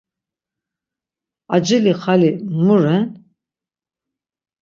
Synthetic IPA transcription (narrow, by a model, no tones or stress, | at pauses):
ad͡ʒiliχalimuɾɛn